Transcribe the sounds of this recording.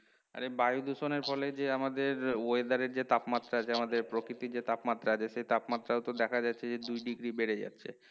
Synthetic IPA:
a̰ɾebajud̪uʃoneɾfɔled͡ʑeamad̪eɾoed̪aɾeɾd͡ʑet̪apmat̪ːɾaat͡ɕʰeamad̪eɾpɾokɾit̪iɾd͡ʑet̪apmat̪ːɾaat͡ɕʰeʃejt̪apmat̪ːɾaot̪od̪ɛkʰad͡ʑatːɕʰed͡ʑed̪ujɖiɡɾibeɽed͡ʑa̰tːɕʰe

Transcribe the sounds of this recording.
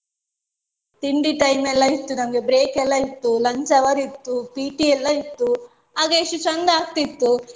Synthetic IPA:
t̪iɳɖiʈɐjmɛlːɐit̪ːunɐmɐɡe̞bɾeːkɛlːɐit̪ːulɐɲt͡ʃɐʋɐɾit̪ːupiːʈiɛlːɐit̪ːu | ɦaːɡɐeʂut͡ʃɐnd̪aːk̚t̪it̪ːu

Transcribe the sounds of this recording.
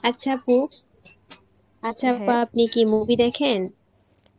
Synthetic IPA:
atːɕʰapu | atːɕʰapːaap̚nikimubid̪ɛkʰen

